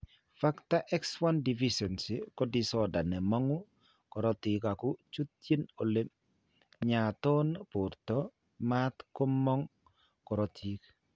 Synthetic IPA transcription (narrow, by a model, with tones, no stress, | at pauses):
fa˦kta˦ʔɛ˦kswa˦ndi˨fiʃɛ˨nsi˨kɔ˦disɔda˨nɛ˨mɔ˦ŋʊ˦ | kɔ˨ɾɔ˦ti˨ka˨kʊ˦t͡ʃu˦t̪ːje˦no˨le˦m | ɲa˨tɔ˦npʊ˨ɾtɔ˦ | mat̪ko˦mːɔ˦ŋ | kɔ˨ɾɔ˨tʰi˦k